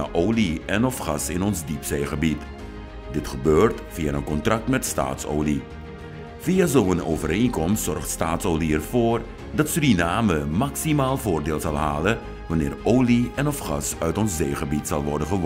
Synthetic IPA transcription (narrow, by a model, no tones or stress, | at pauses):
a̰ʔowliɛnɔfxɑsɪnɔnzdipseːxəbit | dɪtxəbøːrtfiaənkɔntrɑk̚tmɛtsta̰ːtso̰ːwli | v̥iːazowəno̰ːvəɾenkɔmstsɔrxtstaːtsoːliɛrv̥oːr | dɑtsədinaːməmaksimaːlˠvoːrdeːlˠzɑlˠɦa̰ːlə | ʋɑnɪːrowliɛnɔfχɑ̰sœɥtɔnszeːχəbitsɑ̰lˠʋɔrdənvəʋ